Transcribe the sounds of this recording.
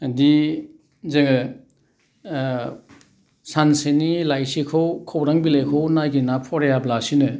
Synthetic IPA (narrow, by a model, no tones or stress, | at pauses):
di | zeɡ | sansenilajsikʰowkʰowɾaŋbilejkʰownaɡinapʰɔɾejablasinɯ